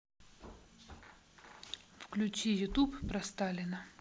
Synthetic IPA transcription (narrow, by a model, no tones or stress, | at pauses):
fklʲʊt͡ɕijʊt̪upːpɾɐst̪alʲɪnə